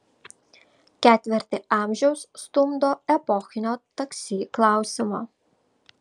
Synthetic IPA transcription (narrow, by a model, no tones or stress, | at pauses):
kʲæːt̪ʲʋʲɪɾʲt̪ʲɪɑːˑmʲʒʲɛʊsst̪ʊmd̪oːɛpɔxʲɪnʲoːt̪ɐksʲiːklˠɑˑʊsʲɪmoː